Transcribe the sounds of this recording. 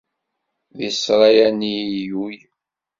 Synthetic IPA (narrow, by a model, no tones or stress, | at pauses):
ðisɾˤɑjænijuj